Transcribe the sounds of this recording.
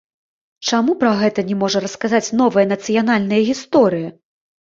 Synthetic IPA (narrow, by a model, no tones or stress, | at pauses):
t͡ʂamupɾɐɣɛt̪ɐnʲɛmɔʐɐɾɐskazat͡sʲn̪ɔvɐjɐnɐt̪sɨjan̪alʲnɐjɐɣʲist̪ɔɾɨjɐ